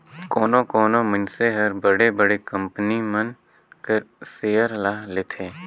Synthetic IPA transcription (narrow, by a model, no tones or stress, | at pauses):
koːnõkoːnomɪnseɦəɾbəɽebəɽekə̃mpnimən | kəɾseːjəɾlaːleːt̪ʰeː